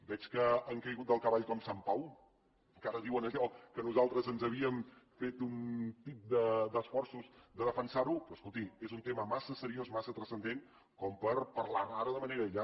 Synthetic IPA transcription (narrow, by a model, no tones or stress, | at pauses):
bɛt͡ʃkəːŋkəjɣut̪̚d̪əlˠkəβaʎkɔmsampaw | əŋkaɾəðiwənəʎɔwkənuzalˠt̪ɾəzənzəβiəmfet̪unt̪ip̚d̪əd̪əsfɔɾsuzd̪əðəfənsaɾupɾɔəskulˠt̪imezunt̪eməmasəsəɾiozmasət̪ɾəsənd̪en | kɔmpəɾpəɾlanaɾəðəməneɾəʎa